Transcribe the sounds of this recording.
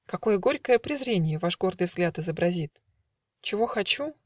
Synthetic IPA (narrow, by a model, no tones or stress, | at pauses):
kɐko̞jəɡo̞ɾʲkəjəpɾʲɪzɾʲenʲɪjəvaʂɡo̞rd̪ɨjvzɡlʲat̪ɨzəbɾɐzʲit̪ | t͡ɕɪvo̞xɐt͡ɕu